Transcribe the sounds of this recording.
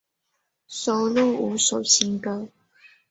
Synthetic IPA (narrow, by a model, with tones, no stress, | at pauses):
so˨˩ʊlu˥˩u˧˥˦so˨˩ʊɕi˧˥ŋkə˧